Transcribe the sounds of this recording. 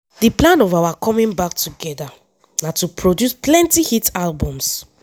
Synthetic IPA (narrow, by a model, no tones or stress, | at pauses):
diplãnɔvawakʰɔ̃mĩŋbak̚tuɡɛda | nãtupʰɹodjusplɛ̃ntihitalbɔ̃ms